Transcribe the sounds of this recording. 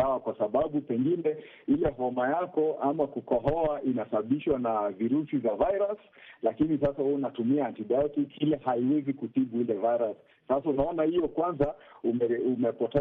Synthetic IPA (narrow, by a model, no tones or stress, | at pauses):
awakwasaɓaɓupɛŋɡinɛ | ilɛɦɔmajakɔʔamakukɔɦɔaʔinasaɓiʃwanaviɾusivavaiɾas | lakinis̬asahunatumiantiɗɔtiilɛhaiwɛzikuθiɓuilɛvaiɾasːasaunaɔnahijɔkwanzaumɛumɛpɔtɛ